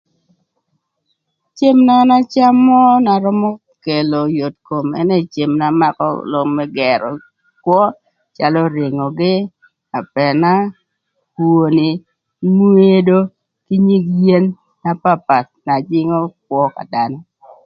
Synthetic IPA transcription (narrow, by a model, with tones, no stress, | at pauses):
t͡ʃe˦mna˦na˦t͡ʃa˦mːɔ˦na˨ɾɔ˦mɔ˦ | ke˨lo˨jo˨tko˨mɛ̰˦ne˦˨t͡ʃe˨mna˨ma˦kɔ̰˦lɔ˦ŋmɛ˦ɡɛ˨ɾɔ̰˨ | kwɔ˦ | t͡ʃa˦lɔ˦ɾɪ˨ŋɔ˨ɡɪ˦ | a˨pɛ˨na˦ | pu˨o˨nɪ˨ | mu˦e˦do˦ | ki˦ɲi˦ɡje˦nː | a˦pa˦pa˨t̪̚na˨d͡ʒɪ˦ŋɔ˦k̚wɔ˦ka̰˨da˦nɔ˦